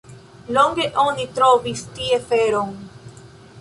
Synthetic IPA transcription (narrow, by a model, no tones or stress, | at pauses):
loŋɡeʔonit̪ɾovist̪iefeɾoŋ